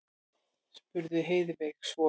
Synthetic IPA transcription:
spʏɾðʏɦeːjðvɛksvɔ

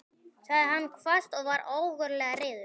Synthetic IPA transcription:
svaðɪɦanːkʰvast̪ɔɣvaɾoːwɣʏɾlɛːɣarɪːðʏɾ̥

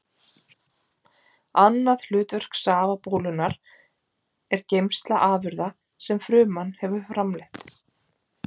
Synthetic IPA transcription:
anːaðl̥ʏːt̪vœr̥ksaːvapoːwlʏnaɾ | ɛɾcejmst̪laʔaːvʏɾða | sɛmfɾʏːmanːhɛvʏfɾamlɛht̪

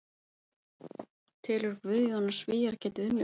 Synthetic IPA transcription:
t̪ʰɪːlʏɾkvʏðjɔnːḁsviːjaɾcʰɛːt̪ɪʏmː

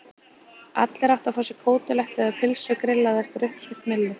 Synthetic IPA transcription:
a̰t̪lɛɾawt̪afɔːsɪkʰoːwt̪ʏlɛht̪ɛðapʰɪlsʏkɾɪlːaðɛr̥t̪ɾʏhpsʏht̪mɪlːʏ

